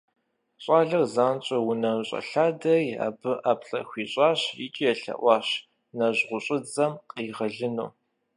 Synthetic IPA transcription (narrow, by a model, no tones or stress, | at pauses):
ɕʼaːɮɐrzaːnt͡ʃʼɐwʊnɐɕʼɐ̰ɬaːdɐja̰ːbɨʔaːpɬʼɐ̰xʷiːɕʼɑːɕḭt͡ʃʼijɛɬɐ̰ʔʷɑːɕ | nɐʑʁʷʊɕʼɪd͡zɐmqʼiːʁɐɮɨnuː